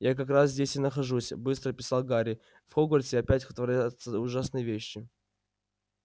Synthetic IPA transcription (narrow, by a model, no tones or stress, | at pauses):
jak̬ɐkɾaszʲdʲesʲɪnəxɐʐusʲbɨst̪ɾəpʲɪ̥salˠɡaɾʲɪ | fxoɡorʲsʲɪɐpʲætʲxət̪vɐɾʲat̪səʊʐasnɨjəvʲeɕːɪ